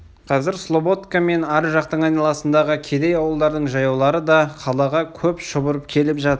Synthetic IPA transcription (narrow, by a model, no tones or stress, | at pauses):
qʰɑzɪɾslˠo̞bo̞t̪kame̞næɾʒɑqt̪əɴɑjnɑlˠɑsənd̪ɑʁəkʲʰe̞d̪e̞jɑwəlˠd̪ɑɾd̪əɴʒɑjɑwlˠɑɾəd̪ɑqʰɑlˠɑʁɑkʲʰɵpʃəbəɾəp̚kʲʰe̞lɪpʒɑt̪ə